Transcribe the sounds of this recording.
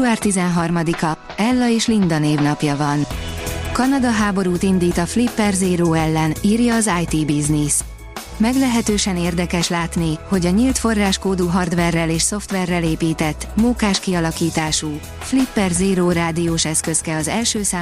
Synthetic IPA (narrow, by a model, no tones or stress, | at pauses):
uaːrt̪izɛnɦɒrmɒd̪ikɒ | ɛlːɒeːʃlind̪ɒneːvnɒpjɒvɒnkɒnɒd̪ɒɦaːbo̞ɾuːt̪ind̪iːt̪ɒflipːɛrzeːɾoːɛlːɛniːrjɒːzaːjt̪iːbiznis | mɛɡlɛɦɛt̪øːʃɛneːrd̪ɛkɛʃlaːt̪niho̞ɟɒɲiːlt̪fo̞rːaːʃkoːd̪uɦɒrd̪ʋɛrːɛleːʃso̞ft̪ʋɛrːɛleːpiːt̪ɛt̪ːmuːkaːʃkiɒlɒkiːt̪aːʃuː | flipːɛrzeːɾoːraːd̪ijoːʃɛskø̞skɛɒzɛlʃøːsaː